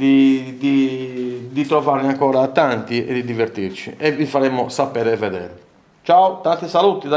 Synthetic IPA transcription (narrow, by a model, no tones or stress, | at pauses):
d̪id̪i | d̪it̪ɾɔvaɾniaŋkɔːɾaːt̪ːant̪iɛ̰d̪ːid̪iveɾt̪iɾt͡ʃḭʔɛvifaɾɛmːʊsapɛːɾɛvːɛd̪ɛ̰ːɾ | t͡ʃaut̪ant̪isalut̪id̪a